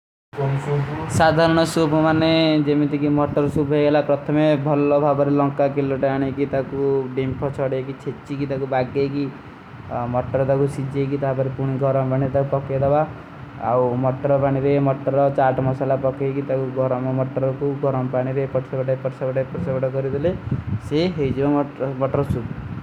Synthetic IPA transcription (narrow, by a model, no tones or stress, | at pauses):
sad̪ʱaɾɔɽ̃ɔsubʱɔmaned͡ʒemit̪ikimɔʈːɔɾɔsubʱeɡelapɾɔt̪ʰɔmebʱɔlɔbʱabɔɾelɔŋkakilːɔʈaaɽ̃ikit̪akuɖempʰɔt͡ʃʰɔɽekit͡ʃʰet͡ʃikit̪akubaɡeki | mɔʈɔɾɔt̪akusid͡ʒʱek̬it̪apɔɾipuɽ̃iɡʱɔɾɔmpaɽ̃iɾet̪akupɔked̪aba | a̰wmɔʈɾɔpaɽ̃iɾemɔʈːɔɾɔt͡ʃaʈmɔsalapɔkekit̪akuɡʱɔɾɔmɔmɔʈːɔɾɔkuɡʱɔɾɔmpaɽ̃iɾepɔʈsabaʈɔepɔʈsabaʈɔepɔʈsabaʈɔkɔɾid̪ʰʱileseɦejd͡ʒibamɔʈɔɾsub